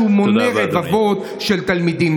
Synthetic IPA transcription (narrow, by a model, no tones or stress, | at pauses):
umoneʁevavo̞t̪ | ʃelt̪almid̪im